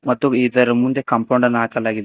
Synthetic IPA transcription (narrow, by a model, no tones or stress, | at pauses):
mɐt̪ːuid͡zɐɾɐmund̪ekɐmpowɳɖənaːkalaːɡil